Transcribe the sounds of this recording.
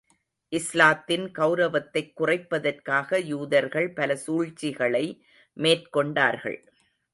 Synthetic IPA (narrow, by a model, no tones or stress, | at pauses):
ʔɪslaːt̪ːɪnkɐʊɾɐʋɐt̪ːɐɪkːʊrɐɪpːɐðɐrkaːɣɐjuːðɐɾɣɐɭpɐlɐsuːɻt͡ʃːɪɣɐɭɐɪ | meːrkɔɳɖa̰ːɾɣɐ̰ɭ